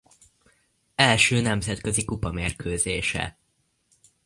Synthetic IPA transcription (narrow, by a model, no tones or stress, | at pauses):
ɛlʃøːnɛmzɛt̪kø̞zikupɒmeːrkøːzeːʃɛ̰